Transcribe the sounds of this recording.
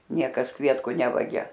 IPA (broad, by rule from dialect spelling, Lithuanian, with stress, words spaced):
ˈnʲiɛkɐs ˈkʋʲiɛtkʊ ˈnʲæːʋɐɡʲɛ